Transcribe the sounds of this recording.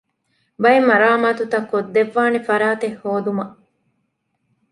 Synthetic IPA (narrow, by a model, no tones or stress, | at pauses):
bɐjemɐɾaːmaːt̪ut̪ɐkːod̪ːeʋːaːnefɐɾaːt̪ehːoːd̪umɐ